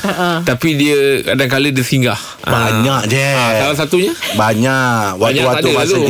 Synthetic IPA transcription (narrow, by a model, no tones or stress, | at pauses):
aʔt̪apidiəkadaŋkalədəsiŋɡah | baɲak̚d͡ʒeasalas̬at̪uɲabaɲaʔwaauwaad̪ual